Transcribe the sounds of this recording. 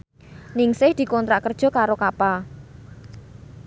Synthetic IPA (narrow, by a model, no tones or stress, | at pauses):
nɪŋsɪhd̪̥i̤kɔnt̪ɾaʔkərd̥ʒ̥ɔ̤kaɾokapa